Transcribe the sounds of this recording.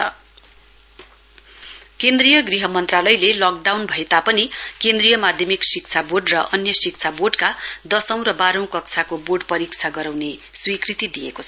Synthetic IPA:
kend̪rijʌɡriɦʌmʌnt̪ralʌjlelɔk̚ɖawnbʱʌet̪apʌnikend̪rijʌmad̪ʱjʌmiksik̚t͡sʰaborɖrʌʔʌnjʌsik̚t͡sʰaboɖkad̪ʌsʌ̃w̃ɾʌbaɾʌ̃w̃kʌkt͡sʰakoboɖpʌɾik̚t͡sʰaɡʌɾawneswikrit̪id̪ijḛkot͡sʰʌ

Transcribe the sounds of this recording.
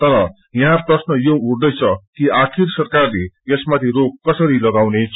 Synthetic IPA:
t̪ʌɾʌ | jʌɦãprʌsnʌjouɽd̪ʌjt͡sʰʌkiakʰirsʌrkarleesmat̪ʰirok̚kːʌsʌɾilʌɡawnet͡sʰ

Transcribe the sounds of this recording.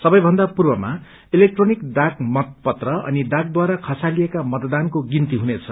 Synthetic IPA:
sʌbʌjbʱʌnd̪apurbʌma̰ | ilek̚ʈronikdakmʌt̪̚pʌt̪rʌʌ̰nid̪ak̚d̪waɾakʰʌsalijekamʌt̪d̪ankoɡint̪iɦunet͡sʰʌ

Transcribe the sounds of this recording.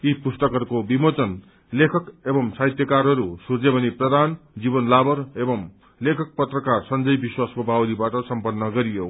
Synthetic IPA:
ipusʈʌkʌrkobimot͡sʌn | lekʰʌkebʌmsaɦit̪jʌkaɾɦʌɾusurd͡zebʱʌniprʌd̪ʱand͡zibʌnlabʌɾebʌm | lekʰʌk̚pʌt̪rʌkarsʌnd͡zʌjbiswaskobʱawlibaʈʌsʌmpʌnːʌɡʌɾijo

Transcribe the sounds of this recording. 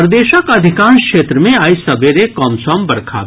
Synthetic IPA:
ɾd̪eːʃakɐd̪ʱɪkãːnskʃeːt̪ɾəmẽaːjsɐbeɾekɔːmsɔːmbɐɾkʰa̰

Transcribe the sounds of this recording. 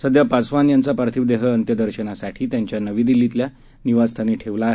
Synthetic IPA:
səd̪japasʋanjant͡sapaɾt̪ʰiʋd̪eɦəənt̪jəd̪əɾɕənasaʈʰiːt̪jaɲt͡ɕjanəʋiːd̪ilːit̪lja | niʋad͡zst̪ʰaniːʈʰeʋlaːɦe

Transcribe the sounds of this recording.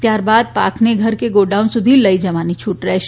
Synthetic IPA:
t̪jaɾbad̪̚pa̰kʰneɡʱəɾkeɡoɖãũnsʊd̪ʱiləid͡ʒəʋanit͡ʃʰuʈɾɛɦʃ

